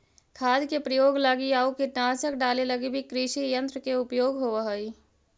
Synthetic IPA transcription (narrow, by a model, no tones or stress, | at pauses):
kʰaːd̪kepɾəjoːɡlaɡiaːukiʈaːsəkɖaːleləɡibʱikɾiʃijə̃nt̪ɾəkeʊpjoːɡɦoʋəɦəi